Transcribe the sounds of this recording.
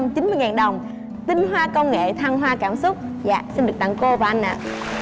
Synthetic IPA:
mt͡ɕi˨˦nmɨ˧jŋaː˨˩nɗə˨˩wŋ͡m | t̪ï˧nɦwaː˧kə˧wŋḛ˧˨t̪ʰa˧ŋɦwaː˧kaː˧˩msʊ˦˥k͡p̚za̰ː˧˨si˧nɗɨ˨˩ək̚t̪a̰˧˨ŋko˧vaː˨˩ʔa˧nʔa̰ː˧˨

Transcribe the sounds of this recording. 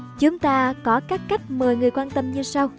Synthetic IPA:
t͡ɕʊ˨˦ŋ͡mt̪aː˧kɔ˨˦kaː˦˥k̚kːa˦˥jk̟̚məː˨˩jŋɨ˨˩əjkwaː˧nt̪ə˧mɲɨ˧sa˧w

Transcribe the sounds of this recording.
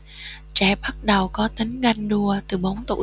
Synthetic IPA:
t͡ɕɛ˧˩ɓa˦˥k̚ɗə˨˩wkɔ˨˦t̪i˨˦ŋ̟ɣa˧jŋ̟ɗu˧˩ət̪ɨ˨˩ɓaə˨˦wŋ͡mt̪ṵ˧˩

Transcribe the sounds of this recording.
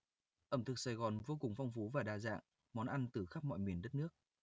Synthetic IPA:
ʔə˧˩mt̪ʰɨ˨˩k̚saː˧˩jɣɔ˨˩nvoː˧kʊ˨˩ŋ͡mfa˧wŋ͡mfu˨˦vaː˨˩ɗaː˨˩za̰ː˧˨ŋ | mɔ˨˦nʔa˧nt̪ɨ˨˩xa˦˥p̚mɔ̰˧˨jmwi˨˩ənɗə˦˥t̚nɨ˦˥ək̚

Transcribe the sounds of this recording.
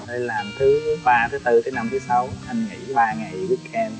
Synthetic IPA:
ʔə˧jlaː˨˩mt̪ʰɨ˨˦ɓaː˧t̪ʰə˨˦t̪ɨ˧˩kʰə˨˦na˧mt̪ʰɨ˨˦sa˨˦wha˨˩ŋ̟ŋḭ˧˩˥ɓaː˧ŋa˨˩jɓɨ˦˥ək̚ʔɛ˧m

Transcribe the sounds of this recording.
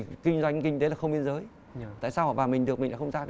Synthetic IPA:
kï˧ŋ̟zwa˧jŋkï˧ŋ̟t̪e˨˦la˨˩xə˧ŋ͡mɓi˧nzəː˨˦j | t̪a̰ː˧˨jsaː˧wɔː˨˩vaː˨˩mï˨˩ŋ̟ɗɨ˨˩ək̚mï̟˨˩ɗa̰˧xʰwŋ͡mzaː˧

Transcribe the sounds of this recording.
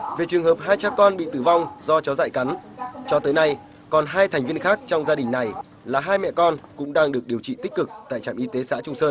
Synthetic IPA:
ve˨˩t͡ɕɨ˨˩əŋhəː˨˩p̚ɦaː˧jt͡ɕaː˧kɔ˧nɓḭ˧˨t̪ɨ˧˩va˧wŋ͡mzɔ˧t͡ɕɔ˨˦za̰ː˧˨jka˨˦nt͡ɕɔ˧t̪əː˨˦jna˧j | kɔ˨˩nɦaː˧jt̪ʰɛ˨˩jŋ̟vi˧ənxaː˦˥k̚t͡ɕɔ˧wŋ͡mzaː˧ɗï˨˩ŋ̟na˨˩j | laː˨˩ɦaː˧jmɛ̰˧˨kɔ˧nkʊ̰˧˥ŋ͡mɗaː˧ŋɗɨ˨˩ək̚ɗi˨˩əwt͡ɕḭ˧˨t̪ï˦˥k̟̚kɨ˨˩k̚t̪a̰ː˧˨jt͡ɕaː˧˩mʔi˧˦t̪e˨˦sa̰ː˧˥t͡ɕʊ˧ŋ͡msəː˧n

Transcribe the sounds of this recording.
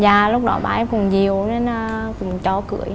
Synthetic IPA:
zaː˨˩lʊ˦˥k͡p̚ɗɔ˧˩˦ɓa̰ː˧˨ʔɛ˧mkʊ˨˧˩ŋ͡mzi˨˩əwne˧naː˧˩kʊ̰˧˥ŋ͡mt͡ɕɔ˧˦kɨ̰˧˩˦əj

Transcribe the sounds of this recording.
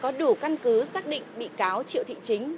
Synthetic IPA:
kɔ˨˦ɗu˧˩ka˧nkɨ˨˦saː˦˥k̚ɗḭ̈˧˨ŋ̟ɓḭ˧˨kaː˨˦wt͡ɕḭ˧˨wt̪ʰḭ˧˨t͡ɕï˨˦ŋ̟

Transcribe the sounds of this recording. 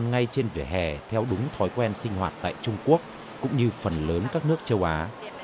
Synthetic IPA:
nŋa˧jt͡ɕe˧nvḭ˧˩əɦɛ̰˧˨˩t̪ʰɛ˧wɗʊ˨˦ŋ͡mt̪ʰɔ˨˦jkwɛ˧nsï˧ŋ̟hɦwa̰ː˨˩t̚t̪a̰ː˧˨jt͡ɕʊ˧ŋ͡mku˦˥ək̚ | kʊ̰˧˥ŋ͡mɲɨ˧fə˨˩nləː˨˦nkaː˦˥k̚nɨ˦˥ək̚t͡ɕə˧wʔaː˨˦

